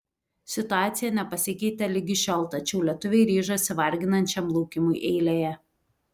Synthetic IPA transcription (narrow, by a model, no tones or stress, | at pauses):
sʲɪt̪ʊɑːt̪sʲɪjɛnʲɛpɐsʲɪkʲɛɪt̪ʲɛlʲɪɡʲɪʃʲɛlˠt̪ɐt͡ʃʲɛʊlʲiɛt̪ʊʋʲɛɪɾʲiːʒosʲɪʋɐɾʲɡʲɪnɐnʲt͡ʃʲɛmlˠuːkʲɪmuɪʔɛɪlʲeːjɛ